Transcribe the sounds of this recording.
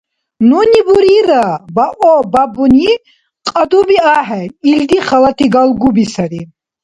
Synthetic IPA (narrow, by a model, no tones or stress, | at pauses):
nunibuɾiɾabaʔɔbabuni | qʼad̪ubiaɦɛild̪iχalat̪ʰiɡalɡubisaɾi